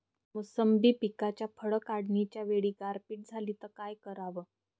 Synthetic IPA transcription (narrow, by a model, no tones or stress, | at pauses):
musəmbiːpikat͡ɕjafʰəɭəkaɽnit͡ɕjaʋeɭiːɡaɾpiːʈ̚d͡zʱaliːt̪əɾkajkəɾaʋə